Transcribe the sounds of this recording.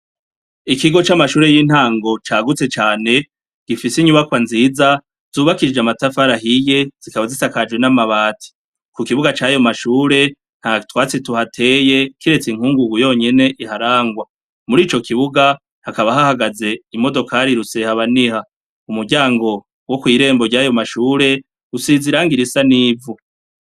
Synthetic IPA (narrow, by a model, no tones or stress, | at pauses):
ikiɡo̞t͡ʃamaʃuːɾe̞jiːn̥haːŋɡo̞t͡ʃaːɡut͡se̞t͡ʃaːne̞ | ɡ̥ifisiɲuβakwanziːza | z̥uːβakid͡ʒamatafaɾaɦije̞z̥ikaβazisakad͡ʒwe̞namaβaːtʰi̥ | kukiβuɡat͡ʃajo̞maʃuːɾe̞ | n̥hatwaːt͡situhatʰe̞je̞kiɾe̞t͡siŋ̥huːŋɡuɡujo̞ːɲe̞ne̞ʔiɦaɾaːŋɡwa | muɾiːt͡ʃo̞kiβuɡa | hakaβaɦahaɡaze̞imo̞do̞kaɾiɾusehaβaniha | umuɾɟaːŋɡo̞ | wo̞kwiːɾe̞ːmbo̞ɾɟajo̞maʃuːɾe̞ | usiziɾaːŋɡiɾisaniːvu